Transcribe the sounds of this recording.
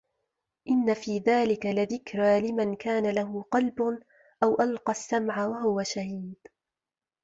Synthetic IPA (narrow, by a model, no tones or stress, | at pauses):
ʔɪnːafiːðaːlɪkalɪðɪkɾalɪmankaːnalahʊqɑlb | ʔawʔalqɑsːamʕawaɦʊwaʃahiːd̪